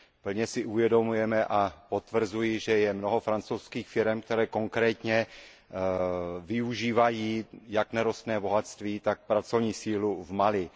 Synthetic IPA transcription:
pl̩ɲɛsɪʔuvjɛdo̞mujɛmɛʔapo̞t̪vr̩zujɪʒɛjɛmnoɦo̞fɾant͡sowskiːxfɪɾɛmk̚t̪ɛɾɛːko̞ŋkɾɛːt̪ɲɛ | vɪuʒiːvajiːjaknɛɾost̪nɛːbo̞ɦat̪st̪viːt̪ak̚pɾat͡sovɲiːsiːluvmalɪ

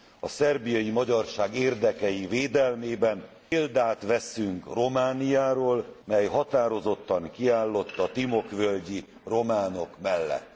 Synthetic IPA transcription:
ɒsɛrbijɒjimɒɟɒrʃaːɡeːrd̪ɛkɛjiveːd̪ɛlmeːbɛn | eːld̪aːt̪ʋɛsyŋkro̞maːnijaːɾoːlmɛjɦɒt̪aːɾo̞zo̞t̪ːɒŋkiaːlːo̞t̪ːɒt̪imo̞kvølɟi | ro̞maːno̞kmɛlːɛ̰t̪ː

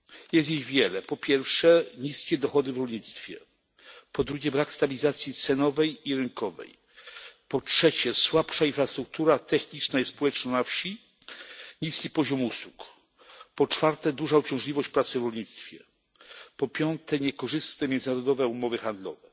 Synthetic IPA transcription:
jɛst̪jiɣvʲjɛlɛpɔpʲjɛɾfʂɛɲiskʲɛd̪ɔxɔd̪ɘvɾɔlɲit̪st̪fʲjɛ̰ | pɔd̪ɾuɡʲɛbɾakst̪abʲilʲizat̪sʲjit̪sɛnɔvɛjiɾɘŋkɔvɛ̰j | pɔtʂɛt͡ɕɛswapʂainfɾast̪ɾuk̚t̪uɾat̪ɛxɲit͡ʂnajɛsspɔwɛt͡ʂnɔnafɕi | ɲiskʲipɔʑɔmuswuk | pɔt͡ʂfaɾt̪ɛd̪uʐaɔt͡ɕɔ̃w̃ʐlʲivɔɕt͡ɕpɾat̪sɘvɾɔlɲit̪st̪fʲjɛ | pɔpʲjɔnt̪ʰɛɲɛkɔʐɘst̪nɛmʲjɛnzɘnaɾɔd̪ɔvɛumɔvɘxand̪lɔ̰vɛ

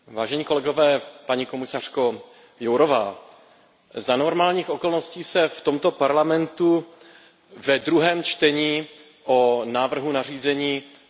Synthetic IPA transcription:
vaːʒɛɲiːko̞lɛɡo̞vɛːpaɲiko̞mɪsar̝̥ko̞ | jowɾovaː | zanoɾmaːlɲiːxo̞ko̞lnosciːsɛft̪o̞mt̪o̞paɾlamɛnt̪u | vɛd̪ɾuɦɛːmt͡ʃt̪ɛɲiː | ʔonaːvr̩ɦunariːzɛɲiː

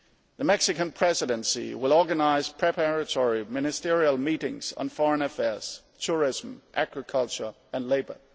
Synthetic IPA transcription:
ðəmɛksɨkə̃npʰɹ̥ɛzɨɾɨ̃nsḭwɪlˠɔɡənaɪz̥pʰɹ̥ɛpʰaɹɨtʰɔɹimɪnɨstɪɹiəlˠmiɾɪ̰̃ŋz̥n̩fɔɹə̃nɛfɛɹz̥ | tʰʊɹɪzə̃mʔæɡɹɨkʰʌlˠt͡ʃə˞ | ə̃nleɪbə̰˞

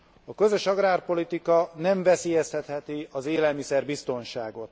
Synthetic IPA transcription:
ɒkø̞zø̞ʃɒɡraːrpo̞lit̪ikɒnɛɱvɛseːjɛst̪ɛt̪hɛt̪iɒzeːlɛlmisɛrbist̪o̞nʃaːɡo̞t̪

